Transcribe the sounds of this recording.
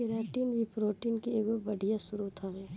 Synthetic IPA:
eɾaːʈiːnbipɾoːʈiːnkieːɡobɐɽʱijasʊɾut̪ʰaʋe

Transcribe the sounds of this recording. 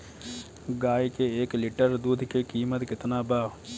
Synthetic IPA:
ɡaːjkeeːklɪʈəɾd̪uːd̪ʱkekiːmət̪kɪt̪naːbaːʋ

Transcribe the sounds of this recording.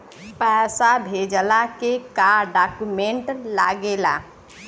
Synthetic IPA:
pɛːsabʱed͡ʒəlakekaɾɖakumẽɳʈla̰ɡela̰

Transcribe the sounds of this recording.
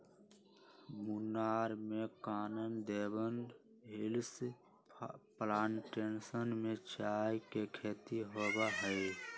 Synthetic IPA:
munaːɾmekaːnənd̪eːbən | ɦils | plaːnʈensənmẽt͡ʃaːjkekʰeːt̪iɦoːbaɦəɪ

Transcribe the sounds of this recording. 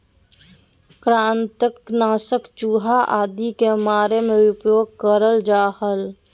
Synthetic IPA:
kɾãːnt̪əknaːsəkt͡ʃuːɦaʔaːd̪ikemaːɾemẽʊpjoːɡ̚kəɾəld͡ʒaːhəl

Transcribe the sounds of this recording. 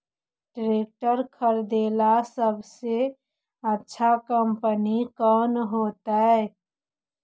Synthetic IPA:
ʈɾeːk̚ʈəɾkʰəɾd̪eːlasəbse | ətːʃʰakəmpənikənɦoːt̪aɛ

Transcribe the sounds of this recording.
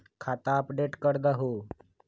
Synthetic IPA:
kʰat̪aəpɖeʈkəɾd̪aɦo

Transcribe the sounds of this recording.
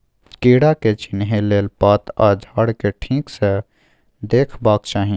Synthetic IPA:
keːɽaket͡ʃɪnɦeleːlpaːt̪aːd͡ʒʱaːɽkeʈʰĩːkse | d̪eːkʰbaːkt͡ʃaːɦĩ

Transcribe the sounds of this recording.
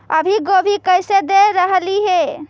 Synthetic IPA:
ə̰bʱiɡobʱikəjsed̪eɾəɦliɦe

